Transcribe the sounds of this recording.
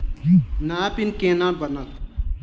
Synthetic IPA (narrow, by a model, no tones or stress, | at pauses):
naːpinkeːnãːbənət̪